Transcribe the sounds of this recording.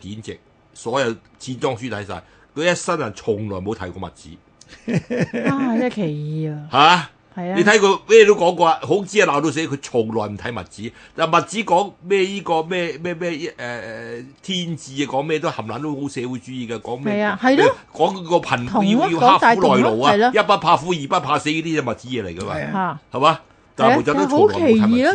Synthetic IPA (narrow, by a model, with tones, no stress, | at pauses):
kiː˨˥nt͡sɪ̰˨k̚ | sɔː˨˥jɐ˨˧w | t͡sʰiː˧˥nt͡sɔː˥ŋsyː˥t̪ʰɐ˨˥jsa̰ː˧j | kʰɵ˧jɐ˥t̚sɐ˥nɐ˨˩nt͡ʃʰʊ˨˩ŋlɔː˨˩jmo˨˧wt̪ʰɐ˨˥jkɔː˧mɐ˨t̚t͡sḭː˨˥˨ | a˥kʰe˨˩jhaː˨˧ | hɐ˨e˧t̪ʰɐ˨˥jkɔ˧mɛː˥˩ɛ˧t̪o˥wkɔː˨˥ŋkɔː˧ɦo˨˥t͡siː˥a˨˧laː˨wt̪o˧ws̬eː˨˥kʰɵ˨˧t͡ʃʰʊ˨˩ŋlɔː˨˩jm̩˨˩t̪ʰɐ˨˥jmɐ̰˨t̚t͡siː˨˥ | t̪aː˨nmɐ˨t̚t͡siː˨˥kɔː˨˥ŋmɛː˥jiː˥kɔː˧mɛː˥˧mɛː˥˧mɛː˥˧jʔɛ˨ɛ˨t̪ʰiː˥nt͡siː˧a˧kɔː˨˥ŋmɛ˥˧ɛ˧t̪whɐ˨˩mla̰ː˨nt̪o˥who˨˥wsɛː˨˧wuː˨˥jt͡ʃyː˨˥jiː˨˩kɐ˧kɔː˨˥ŋmɛ˥˨˧hɐ˨jlɔ˥ | kɔː˨˥ŋ˧kɔː˧pʰɐ˨˩nfji˧i˧haː˥u˨˥lɔː˨jlo˨waː˨˧˨jɐ˥t̚paː˥n̚pʰaː˧fuː˨˥jiː˨˩pa˥t̚pʰaː˧se˨˥jliː˥t̪iː˥jɛ˧mɐ˨t̚t͡siː˨˥jɛː˨˧le˨˩jkɐ˧ma̰˧aː˨˩hɐ˨maː˨˧ | t̪aː˨po˨t͡saː˨˥t̪t͡ʃo˨˦lkɔː˨e˨˩˦iiː˨˧˥